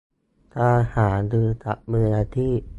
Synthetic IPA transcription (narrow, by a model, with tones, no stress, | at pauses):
t̪aː˧haː˩˦dɯː˧t̪a̰˨˩ʔ̚mɯ˧naː˧t̪ʰiː˥˩